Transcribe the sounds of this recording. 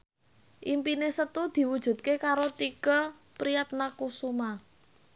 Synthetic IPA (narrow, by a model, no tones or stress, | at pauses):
ʔimpinesət̪ud̪̥i̤wud̥ʒ̥ṳt̪̚kekaɾot̪ikəpɾijat̪̚nakusuma